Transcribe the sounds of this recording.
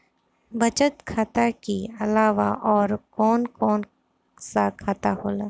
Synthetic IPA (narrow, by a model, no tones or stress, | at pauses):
bɐt͡ʃət̪kʰaːt̪akiɐlaːʋa̰ʔɔːɾkɔːnkɔːn | sakʰaːt̪aɦoːlaː